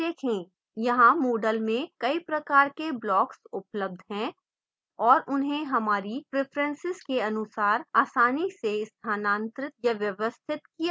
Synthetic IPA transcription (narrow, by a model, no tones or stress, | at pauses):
d̪eːkʰẽː | jɐɦãmoːɖəlmẽkɐipɾɐkaːɾkeblɔːksʊpləb̚d̪ʱɦɛ̃ | ɔːɾʔʊnɦẽɦɐmaːɾipɾeːpʰɾə̃nsɪzkeɐnʊsaːɾaːsaːniseɪst̪ʰaːnãːnt̪ɾɪt̪̚jɐʋjɐʋəst̪ʰɪt̪kia